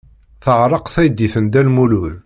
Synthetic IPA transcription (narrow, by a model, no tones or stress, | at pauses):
θəʕɾˤəqθæjd̪ːiθənd̪ælmuluð